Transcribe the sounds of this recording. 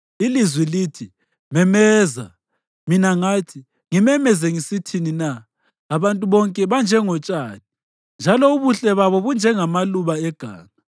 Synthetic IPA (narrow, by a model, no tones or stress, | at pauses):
ilizwilitʰi | mɛmɛːza̰ | minaŋatʰi | ŋimɛmɛzɛŋisitʰininaː | βantʼuβɔŋkʼɛβand͡ʒʱɛŋɔt͡ʃʼaːti̥ | nd͡ʒʱalɔuβuɬɛβaβɔβund͡ʒʱɛŋamaluβaɛɡ̥ʱa̰ːŋa